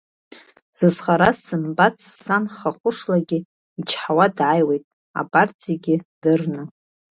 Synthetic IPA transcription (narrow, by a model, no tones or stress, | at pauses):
z̥ɨzχaɾasɨmbat͡sʰsanχaχʷʊʂlaɡʲɪ | it͡ʃʰħawadʕajwejtʼ | a̰pʼart͡sʼʰiaɡʲɪd̥ɨrnɨ